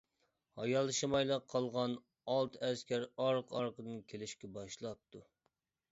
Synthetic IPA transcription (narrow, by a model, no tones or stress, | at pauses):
hɑjɑlˠʃɨmɑjlˠəqʰːɑlˠʁɑn | ɑlˠt̪ʰɛskʲæɾɑɾqʰɑɾqəd̪ɨnkʲʰelɪʃkʲɛbɑʃlˠɑp̚t̪ʰːu